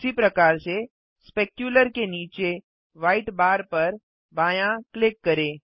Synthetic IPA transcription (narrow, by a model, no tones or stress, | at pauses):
sipɾɐkaːɾse | speːkjuːləɾkeniːt͡ʃe | ʋaːɪʈbaːɾpɐɾ | baːjãklɪkːɐɾẽː